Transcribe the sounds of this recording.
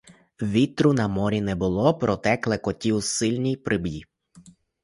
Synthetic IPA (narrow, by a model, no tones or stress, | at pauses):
ʋʲit̪ɾʊnɐmɔɾʲinɛbʊlˠɔpɾʔɔt̪ɛklˠɛkɔtʲiwsɪlʲnʲijpɾʔɪbjʲi